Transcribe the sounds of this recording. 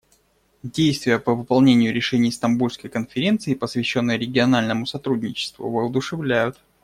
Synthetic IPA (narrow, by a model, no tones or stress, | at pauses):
dʲejst̪vʲɪjəpəvɨpɐlˠnʲenʲɪjʊɾʲɪʂɛnʲɪjst̪ɐmbulʲskəjkənfʲɪɾʲe̞nt̪sɨɪpəsvʲɪɕːonːɨjəɾʲɪɡʲɪɐnalʲnəmʊsɐt̪ɾudʲnʲɪt͡ɕɪ̥st̪vʊ̰vəʊd̪ʊʂɨvlʲæjʊt̪